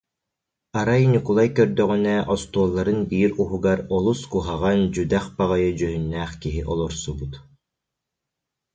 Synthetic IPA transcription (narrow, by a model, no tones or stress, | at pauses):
aɾajnʲikulˠajkœɾd̪œʁynɛʔɔst̪uɔlˠːaɾɯnbiːɾuɦuɡaɾɔlˠuskuɦaʁand͡ʑyd̪æχbaʁajɯd͡ʑœɦynːɛːχkiɦiʔɔlˠɔɾsubut̪